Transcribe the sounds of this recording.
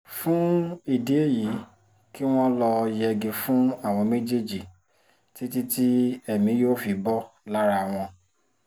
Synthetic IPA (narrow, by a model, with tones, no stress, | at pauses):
fũ˦i˦˨de˨˦e˦˨ji˨˦ | ki˦w̃ɔ̃˦lɔ˧jɛ˧ɡĩ˧fũ˦a˦˨w̃ɔ̃˧me˦d͡ʒe˦˨d͡ʒi˨ | ti˦ti˦ti˦ɛ˦˨mĩ˨˦joː˦fi˨˧bɔ˦la˦ɾa˧˨w̃ɔ̃˧